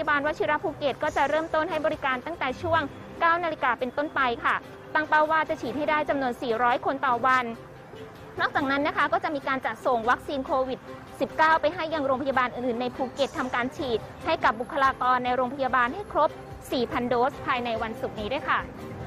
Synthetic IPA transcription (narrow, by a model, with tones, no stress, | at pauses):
ja˧baː˧nwt͡ɕʰi˧˥ɾa˦˥pʰuː˧ke˨˩t̪̚kɔː˥˩t͡ɕa˨˩ɾɤː˥˩mt̪o˥˩nhɦa˥˩jbɔː˧ɾi˦˥kaː˧nt̪a˥˩ŋt̪ɛː˨˩t͡ɕʰu˥˩əŋ | kaː˥˩wna˧li˧kaː˧pe˧nt̪o˥˩npa˧jkʰa˥˩ | t̪a˥˩ŋpa˥˩waː˥˩t͡ɕa˨˩t͡ɕʰiː˨˩t̪̚ha˥˩jdaː˥˩jt͡ɕa˧mnu˧ənsiː˨˩ɾɔː˦˥jkʰo˧nt̪ɔː˨˩wa˧n | nɔː˥˩k̚t͡ɕaː˨˩k̚na˦˥nːa˦˥kʰa˦˥kɔː˥˩t͡ɕa˨˩ʔmiː˧kaː˧nt͡ɕa˨˩t̪̚so˨˩ŋwa˦˥k̚siː˧nkʰoː˧wi˨˩t̪̚ | si˨˩p̚kaː˥˩wpa˧jɦa˥˩jːa˧ŋɾoː˧ŋpʰa˧ja˧baː˧nʔɯː˨˩nʔɯː˨˩nːa˧jpʰuː˧ke˨˩t̪ʰːa˧mkaː˧nt͡ɕʰiː˨˩t̪̚ha˥˩jka˨˩p̚bu˨˩kʰːa˧laː˧kɔː˧nːa˧jɾoː˧ŋpʰa˧jaː˧baː˧nha˥˩jkʰɾo˦˥p̚ | siː˨˩pʰa˧ndoː˦˥spʰaː˧jna˧jwa˧nsu˨˩k̚niː˦˥du˥˩jkʰa˥˩